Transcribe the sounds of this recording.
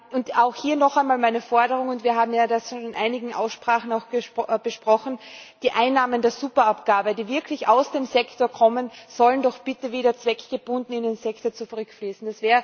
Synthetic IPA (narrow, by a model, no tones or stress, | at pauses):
ʔʊntaʊxhiːɐnɔxaɪnmaːlmaɪnəfɔɐɾəʁ̞ʊŋʊntviːɐɦaːbm̩jadasʃonnɪnʔa̰ɪnɪɡŋ̩ʔa̰ʊsʃpʁ̥aːχn̩aʊxɡ̥əb̥əʃpʁ̥ɔxn̩d̥iːʔaɪnːaːməndeːɐzuːpɐapɡ̥aːbədiːvɪɐkʰlɪçaʊsd̥eːmzɛktoɐkʰɔmənz̥ɔləndɔxb̥ɪtəveːɾɐt͡sv̥ɛkɡ̥əb̥ʊndn̩ɪndenzɛktot͡sufʁʏkfliːsn̩d̥asv̥ɛːə